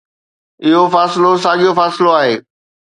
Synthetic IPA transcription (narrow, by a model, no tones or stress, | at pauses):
ɪɦofaːsɪlos̬aːɠijofaːsɪloaːɦeː